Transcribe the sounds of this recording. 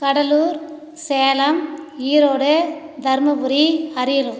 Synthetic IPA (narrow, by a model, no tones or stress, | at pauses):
kɐɽɐluːɾ | seːlɐmiːɾoːɽɯ | d̪ʱɐɾmɐbɯɾiɐɾɪjɐlɯm